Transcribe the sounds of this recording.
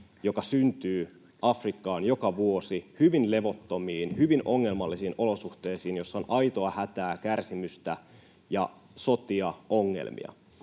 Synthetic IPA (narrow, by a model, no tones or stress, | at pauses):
jo̞kɑsynt̪yː | ʔɑfrikːɑːnjo̞kɑʋuo̞sihyʋinle̞ʋo̞t̪ːo̞miːnhyʋinʔo̞ŋːe̞lmɑlːisiːnʔo̞lo̞suht̪eːsiːnjo̞sːɑonʔɑjt̪oɑhæt̪æːkærsimyst̪æ | jɑ̰ | so̞t̪iɑoŋːḛlmḭɑ̰